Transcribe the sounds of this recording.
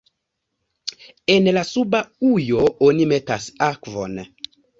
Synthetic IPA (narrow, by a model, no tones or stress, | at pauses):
enlasubaujoonimetasakvo̰n